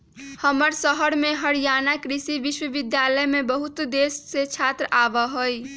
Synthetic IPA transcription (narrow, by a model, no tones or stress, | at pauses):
həməɾsəɦəɾmeɦəɽijanakɾisiʋiʃwəʋid̪jaləjmebəɦut̪d̪esːet͡ʃʰat̪ɾəʔabəɦoj